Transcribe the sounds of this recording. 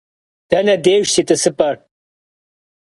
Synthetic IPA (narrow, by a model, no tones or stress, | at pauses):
d̥ɐnɐdeːʒsitʼɨsɨpʼɐr